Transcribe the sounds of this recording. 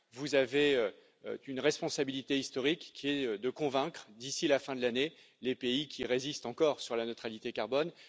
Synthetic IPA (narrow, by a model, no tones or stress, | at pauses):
vuzaveø | ø̰ynʁɛspɔ̃sabilit̪eist̪ɔʁikːiɛd̪əkɔ̃vɛ̃kχəd̪isilafɛ̃d̪əlane | lepeikʲʰiʁezist̪ɑ̃kɔʁsyʁlanøt̪χalit̪ekaʁbɔn